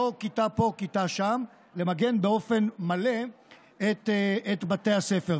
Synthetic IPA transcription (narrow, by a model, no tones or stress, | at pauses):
okitapo̞kitaʃam | le̞maɡe̞nbeo̞fe̞nmale̞ | et̪eet̪bate̞jhase̞fe